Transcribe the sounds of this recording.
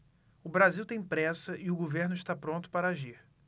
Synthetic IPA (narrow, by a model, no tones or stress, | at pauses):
ʊbɾaziwt̪ẽj̃pɾɛsɐʔɪʊɡoveɾnʊɪʃt̪apɾõnt̪ʊ̥paɾɐaʒiɾ